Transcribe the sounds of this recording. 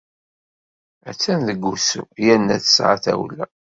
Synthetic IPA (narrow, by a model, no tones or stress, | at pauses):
æt͡sːænðəɡːusujænːæθsʕa̰θæ̰wlːæ